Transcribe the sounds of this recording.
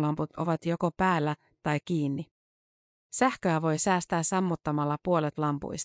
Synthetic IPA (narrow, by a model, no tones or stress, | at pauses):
lɑmput̪o̞̰ʋɑt̪jo̞kopæːlːæ | t̪ɑjk̟iːnːi | sæhkøæʋo̞jsæːst̪æːssɑmːut̪ːɑmɑlːɑpuolet̪lɑmpṵjs